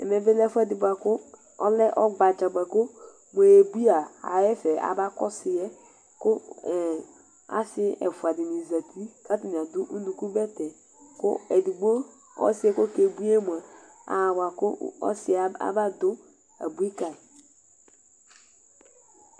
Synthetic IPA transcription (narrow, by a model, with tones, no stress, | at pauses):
ɛ̰˨me˨ve˦lɛ˦fu˦ɛ˦di˨bu˨a˨kʊ˦ | ɔ˦lɛ˦ʔɔ˦ɡ͡ba˨t͡ʃa˨ɡ͡ba˨kʊ˦ | mʷ˨e˨e˨bi˦a˨a̰˨jɛ˦fɛ˨a̰˨ba˦kɔ˦sɪ˨jɛ˦ | kʊ˦˨ | a̰˦sɪ˦ɛ̰˨fu˨a˨di˨ni˨za˨tʰi˦ka˦ti˨n˨a˨dʊ˦ʔu˦nu˨ku˦bɛ˦tɛ˨ | kʊ̰˦ɛ˨di˨ɡ͡bo˦ | ɔ̰˦sɪ˦ɛ˦ko˦ke˨bu˦e˦mu˨a˨ | a̰˨wa˨kʊ˦ɔ̰˦sɪ˦a˨a̰˦ba˦dʊ˦ | a̰˨bu˦i˦ka˨